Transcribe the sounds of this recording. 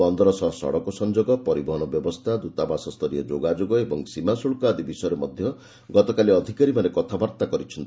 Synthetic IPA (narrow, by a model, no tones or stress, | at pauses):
ɔnd̪ɔɾɔsɔɦsɔ̰ɽɔkɔsɔnd͡ʒoɡɔpɔɾibɔɦɔnɔbjɔbɔst̪ʰad̪ut̪abasɔst̪ʰɔɾiɔd͡ʒoɡad͡ʒoɡɔebɔŋsimasuɭkɔːd̪ibisɔjɾemɔd̪ʱjɔ | ɡɔt̪ɔkaliɔd̪ʱikaɾimanekɔt̪ʰabaɾt̪akɔɾit͡ʃʰɔnt̪i